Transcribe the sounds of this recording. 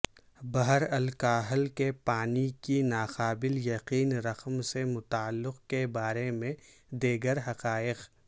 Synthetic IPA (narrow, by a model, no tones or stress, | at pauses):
bɐɦəɾɐlkaːɦəlkepaːnikinaːqaːbɪljɐqiːnɾɐqmsemʊt̪aːlːɪqkebaːɾemẽ | d̪eːɡəɾɦɐqaːɪq